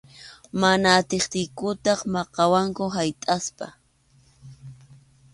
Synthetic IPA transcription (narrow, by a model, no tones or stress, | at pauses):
manaːt̪ɪχt̪ɪjkʊt̪ɑχmɑqɑwaŋkʊɦajt̪ʼaspa̰